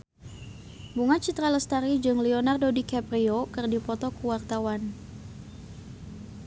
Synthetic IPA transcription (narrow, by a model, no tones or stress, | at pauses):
buŋat͡ʃit̪ɾaləst̪aɾid͡ʒɨŋlionardodikapɾiokɨrdipɔt̪ɔkuwart̪awan